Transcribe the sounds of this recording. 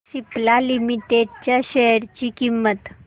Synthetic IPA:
siplalimiʈeɖ̚t͡ɕjaɕeɽt͡ɕikimːət̪

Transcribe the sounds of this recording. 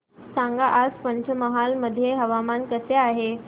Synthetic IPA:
sãŋɡaʔaspəɲt͡ɕʰəməɦalməd̪ʱːjeɦəʋamankəseaɦe

